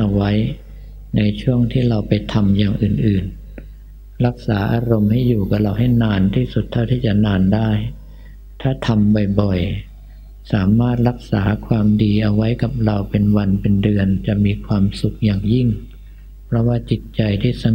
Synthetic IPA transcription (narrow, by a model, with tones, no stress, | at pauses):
ʔa˧wa˦˥j | na˧jt͡ɕʰu˥˩əŋt̪ʰiː˥˩ɾa˧wpa˧jt̪ʰa˧mjaː˨˩ŋʔɯː˨˩nʔɯː˨˩n | ɾa˦˥k̚saː˩˦ʔaː˧ɾo˧mha˥˩jːuː˨˩ka˧˥˩ɾa˧wɦa˥˩jnaː˧nt̪ʰiː˥˩su˨˩t̪ʰːa˥˩wt̪ʰiː˥˩t͡ɕa˨˩ʔnaː˧ndaː˥˩j | t̪ʰaː˥˩t̪ʰa˧mbɔ˨˩jbɔ˨˩j | saː˩˦maː˥˩t̪̚ɾa˦˥k̚saː˩˦kʰwaː˧mdiː˧ʔa˧wa˦˥jka˨˩p̚ɾa˧wpe˧nwa˧npe˧ndɯ˧ənt͡ɕa˨˩ʔmiː˧kʰwaː˧msu˨˩k̚jaː˨˩ŋji˥˩ŋ | pʰɾɔ˦˥waː˥˩t͡ɕi˨˩t̪̚t͡ɕa˧jt̪ʰiː˥˩sa˧